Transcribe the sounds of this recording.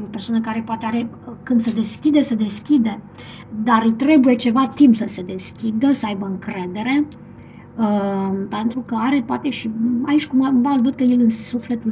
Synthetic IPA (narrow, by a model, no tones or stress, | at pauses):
opersoanəkaɾe̞poat̪eaɾe̞kɨnd̪səd̪e̞skʲid̪e̞səd̪e̞skʲid̪e | d̪aɾɨt̪ɾe̞buje̞t͡ʃe̞vat̪impsəse̞d̪e̞skʲid̪əsəajbəɨŋkɾe̞d̪e̞ɾe̞ | əpe̞nt̪ɾukəaɾe̞poat̪e̞ʃiait͡ʃʲkumavalvəd̪̚kəjelɨnsufle̞t̪ul